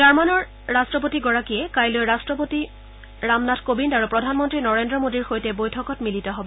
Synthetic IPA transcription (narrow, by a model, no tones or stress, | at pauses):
d͡ʒaɹmanɔɹː | astɹɔp̬otiɡɔɹakiɛkajlojɹastɹɔp̬oti | ɹamnatʰkobindaɹupɹɔdʱanmɔntɹinɔɹendɹɔmodiɹxojtɛbojtʰɔkɔtmilitɔɦɔbɔ